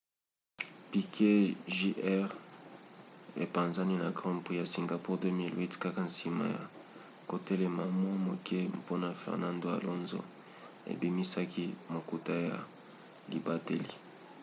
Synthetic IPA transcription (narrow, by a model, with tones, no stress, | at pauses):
pi˨kʰe˦ʒi˦ʔɛ˦ʁ | ḛ˨pã˨nza˦ni˦na˨ɡʁɔ̃˦pχi˦ja˨si˨ŋɡa˨pu˦ʁdø˦mi˦lwi˦tka˦ka˨n̩˨si˨ma̰˨ja̰˨ | ko˨tɛ˦lɛ˨ma˨mwa˦mo˨kɛ˦po˦na˨fɛ̰˨ʁnã˦ndo˦a̰˨lo˦nzo̰˦ | ḛ˨bi˨mi˦sa˦kʰi˦mo˨ku˨ta˦ja̰˨ | li˨ba˦te˦li˨